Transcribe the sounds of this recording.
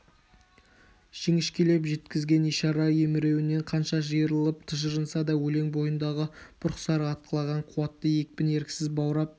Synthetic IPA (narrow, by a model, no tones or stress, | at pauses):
ʒ̥eŋɪʃkʲʰele̞pʒe̞t̪kʲɪzɡʲe̞niʃɑɾɑjemɪɾe̞wɪne̞ɴqʰɑnʃɑʒəjəɾəlˠəpt̪ʰəʒəɾənsɑd̪ɑwɵle̞ŋbo̞jənd̪ɑʁəb̥ʰʊɾqsɑɾɑt̪̚qʰəlˠɑʁɑɴqʰuwɑt̪ːəje̞k̚pɪne̞ɾkʲɪ̥sɪzbɑwɾɑp̚